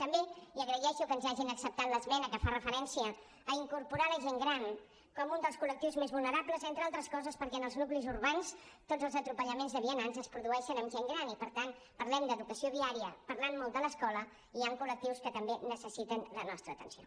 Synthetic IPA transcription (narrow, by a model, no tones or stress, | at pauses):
t̪əmbeiəɣɾəjɛʃukənzaʒinəksəp̚t̪at̪ləzmɛnəkəfarəfəɾɛnsiəː | iŋkuɾpuɾaləʒeŋɡɾan | kɔmund̪əlˠskulək̚t̪iwzmezβulˠnəɾapləzent̪ɾəalˠt̪ɾəskɔzəspəɾkɛənəlˠznuklizuɾβanst̪od͡zəlˠzət̪ɾupəʎəmenzðəβ̞iənanzəspɾuðuɛʃənəmʒeŋɡɾanipəɾt̪an | pəɾlɛmd̪əðukəsioβiaɾiəpəɾlanmːɔlˠd̪ələskɔlə | iaŋkulək̚t̪iwskət̪əmbenəsəsit̪ənlənɔst̪ɾəːt̪ə̰nsio̰